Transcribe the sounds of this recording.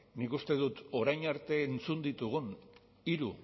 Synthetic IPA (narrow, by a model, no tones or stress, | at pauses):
nikust̪e̞ðut̪o̞ɾajɲaɾt̪e̞ːnt͡sund̪it̪uɣ̞un | iɾu